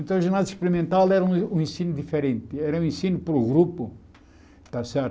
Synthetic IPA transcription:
ẽnt̪ɐ̃ɐʒeɾnaziʃpeɾimẽnt̪alˠɛɾɐũũẽsinud̪ifeɾẽnt̪ɪɛɾɐũẽsinupɐɾuɣɾupu | t̪asɛɾt̪

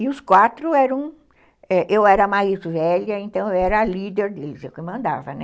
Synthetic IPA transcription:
ɪʊskwat̪ɾʊɛɾɐ̃w̃ | ɛʔewɛɾɐmaizvɛlɐẽnt̪ɐ̃w̃ewɛɾɐːlid̪eɾd̪elɪzewkɪmɐ̃nd̪a̰vɐnɛ

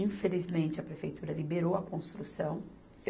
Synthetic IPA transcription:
ĩfelizmẽnt͡ʃɪɐpɾefejt̪uɾɐlibeɾowɐkõst̪ɾusɐ̃w̃

